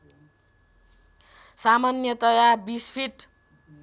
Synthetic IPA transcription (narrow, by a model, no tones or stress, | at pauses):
samanjʌt̪ʌjabispʰiʈ